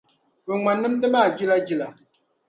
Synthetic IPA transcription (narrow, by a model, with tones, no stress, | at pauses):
bɨ˨ŋ͡ma˨nːɨ˦mdɨ˦maː˦˨d͡ʒi˦la˦d͡ʒi˦la˨